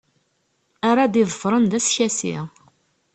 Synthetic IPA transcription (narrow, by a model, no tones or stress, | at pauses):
aɾˤad̪iðˤəfɾˤənd̪æsçæsḭ